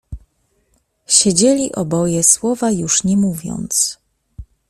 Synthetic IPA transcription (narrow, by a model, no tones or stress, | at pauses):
ɕed͡ʑelʲiʔɔbɔjɛswɔvajuʂɲɛmuvʲjɔ̰nt̪s